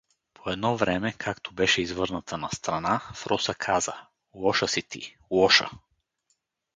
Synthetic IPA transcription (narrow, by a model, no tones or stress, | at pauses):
pʰoɛd̪nɔvɾɛmɛkʰakt̪ʰobɛʃɛizvɤɾnət̪ʰənɐst̪ɾɐnafɾɔsəkʰazə | wɔʃəsit̪ḭ | wɔʃə̰